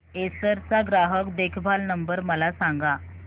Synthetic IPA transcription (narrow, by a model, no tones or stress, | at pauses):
esəɾt͡saɡɾaɦəkd̪ekʰbʱalnəmbəɾməlasãŋɡa